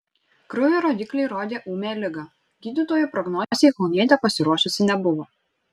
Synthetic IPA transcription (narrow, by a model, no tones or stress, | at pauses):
kɾʊʋʲɛɾoːd̪ʲɪklʲɛɪɾoːd̪ʲeːʔuːmʲeːlʲɪɡɑ | ɡʲiːd̪ʲɪt̪oːjuˑpɾɔɡnɔːzʲejkɔlˠnʲiɛt̪ʲɛpɐsʲɪɾuɔʃʊsʲɪnʲɛbʊʋoː